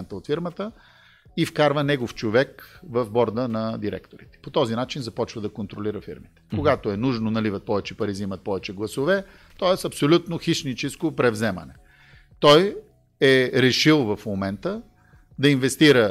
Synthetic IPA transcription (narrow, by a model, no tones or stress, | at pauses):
ɛnt̪əot̪fiɾmət̪ə | ifkaɾvənɛɡoft͡ʃovɛkvɐvbɔɾd̪ənɐd̪iɾɛ̰kt̪oɾit̪ɛ̥pot̪ɔzinat͡ʃinzɐpɔt͡ʃvəd̪ɐkont̪ɾoliɾəfḭɾmit̪ɛ̥koɡat̪oɛnuʒnonɐlivət̪̚pɔvɛt͡ʃɛpɐɾizimət̪̚pɔvɛt͡ʃɛɡlˠɐsovɛ | t̪ɔɛsɐpsolʲut̪noxiʃnit͡ʃɛskopɾɛvzɛmə̰nɛ | t̪ɔj | ɛɾɛʃilˠvɐfmomɛnt̪ə | d̪ɐinvɛst̪iɾə